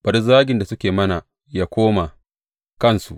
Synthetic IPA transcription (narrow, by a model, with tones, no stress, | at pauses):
b̥ɐ˨ɾzaː˦ɡʲɪ˨nda˨sʊ˦kʲeː˨mɐ˦na˨ | jaː˦kʷoː˦ma˨ | kɐ˦˨nsṵ˨ʔ